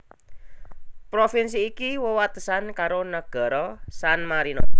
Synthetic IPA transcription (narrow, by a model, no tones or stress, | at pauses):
pɾofinsiːkiwəwat̪əsankaɾonəɡ̥ɔ̤ɾɔsanmaɾinɔ